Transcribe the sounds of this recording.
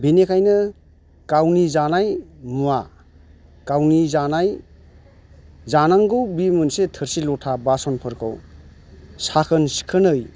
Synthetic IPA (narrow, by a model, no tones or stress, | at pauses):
binekʰajnɯ | kawnizanajmua | kawnizanaj | zanaŋɡɯwbimɯnsetʰɯɾsilɔtʰabasɔnpʰɯɾkʰɯw | sakʰɯnsi̥kʰɯnɯj